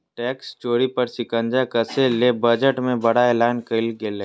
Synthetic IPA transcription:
ʈɛːkst͡ʃoːɾipɐɾsɪkə̃nd͡ʒakəselebəd͡ʒəʈmẽbɐɽaeːlaːnkəlɡele

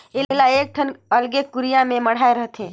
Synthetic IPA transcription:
eɦlaek̚ʈʰənəlɡekuɾijamẽməɽ̤aeɾəɦt̪ɦẽ

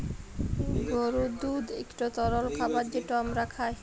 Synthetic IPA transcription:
ɡɔɾud̪ud̪ḛkʈat̪ɔɾolkʰabaɾd͡ʑeʈɔmɾakʰaj

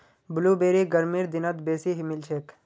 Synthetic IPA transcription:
bʊluːbeːɾiɡɐɾmiːɾd̪ɪnət̪beːsiɦimɪlt͡ʃʰeːk

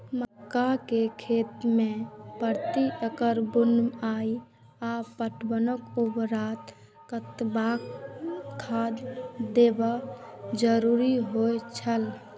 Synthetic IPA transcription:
məkːakekʰet̪mẽpəɾt̪iəkəɾbunai | apəʈbənəkubɾat̪ | kət̪bakkʰːad̪d̪ebad͡ʒəɾuɾiɦojt͡ʃʰəl

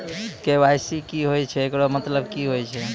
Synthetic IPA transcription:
kewajsikiɦojt͡ʃʰɛekɾomət̪ləbkiɦojt͡ʃʰɛ

